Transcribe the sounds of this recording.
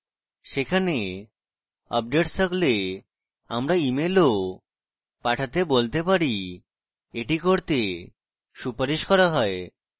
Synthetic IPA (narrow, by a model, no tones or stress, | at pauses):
ʃekʰane | ɔ̰p̚ɖeʈst̪ʰakle | a̰mɾaimelo | paʈʰat̪ebolt̪epaɾi | eʈikoɾt̪e | ʃupaɾiʃkɔɾaɦɔe